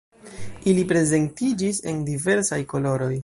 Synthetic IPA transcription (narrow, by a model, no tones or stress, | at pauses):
ilipɾe̞ze̞ntid͡ʒise̞̰ndive̞ɾsajko̞lo̞ɾo̞j